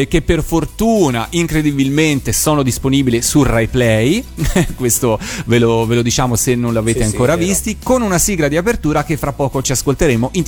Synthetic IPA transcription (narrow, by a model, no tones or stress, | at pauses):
kepːerfort̪uːnaʔiŋkɾed̪ibilment̪esɔːnod̪isponiːbilesurejplɛjkwest̪ovelovelod̪it͡ʃaːmosenːonloaveːt̪eaŋkoːɾavist̪ikonunasiːɡɾad̪iapert̪uːɾak̟efːɾapːɔːkot͡ʃiaskolt̪eɾeːmoʔin